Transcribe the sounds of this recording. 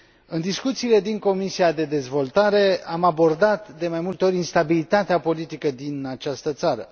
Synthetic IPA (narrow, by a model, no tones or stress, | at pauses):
ɨnd̪iskut̪siːle̞d̪iŋko̞misiad̪e̞d̪e̞zvo̞lt̪aɾe̞amabo̞rd̪at̪d̪e̞majmult̪eoɾʲinst̪abilit̪at̪eapo̞lit̪ikəd̪inat͡ʃast̪ət̪saɾə̰